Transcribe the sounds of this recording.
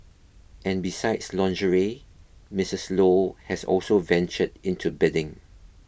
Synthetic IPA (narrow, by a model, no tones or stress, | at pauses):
ʔɛ̃nbisaɪdslɔ̃nd͡ʒəɹimɪsəslohɛsɔ̰lsovɛ̃nt͡ʃədɪ̃ntʰubɛdɪ̃ŋ